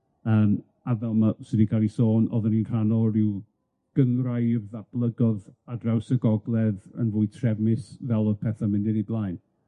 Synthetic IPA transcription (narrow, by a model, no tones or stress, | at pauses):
əːm | avɛlˠmasɪdikʰalˠisoːnɔ̰ðəninkʰanɔɾɪw | ɡ̥əŋrajðab̥lˠəɡɔðadrawsəɡɔɡlˠɛðə̰nvʊːɨtʰrɛvmɪsvɛlˠɔðpʰɛθamɪndɪɾiblˠajn